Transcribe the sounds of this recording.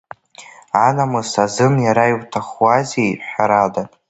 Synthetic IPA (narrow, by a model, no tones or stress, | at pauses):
anamɨsazɨmjaɾaiwtʰaχwazejħʷᶣaɾadatʼ